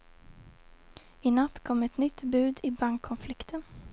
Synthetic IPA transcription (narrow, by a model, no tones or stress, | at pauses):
ɪnat̪ːkʰɔmːɛt̪nʏt̪ːbʉ̟ːd̪ɪbaŋkʰːɔnflɪkt̪ʰən